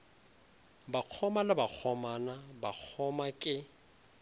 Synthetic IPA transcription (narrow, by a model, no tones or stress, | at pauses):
baq͡χʰɔmalabak͡xʰɔmanabak͡xʰɔmakʼɪ